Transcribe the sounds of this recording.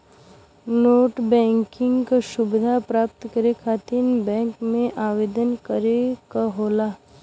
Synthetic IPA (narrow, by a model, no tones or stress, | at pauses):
noːʈbɛ̃ːŋkɪ̃ŋɡkaʃʊbɪd̪ʱapɾaːp̚t̪kəɾekʰaːt̪ɪnbɛ̃ːŋkmẽʔaːʋeːd̪ənkəɾekaɦoːlaː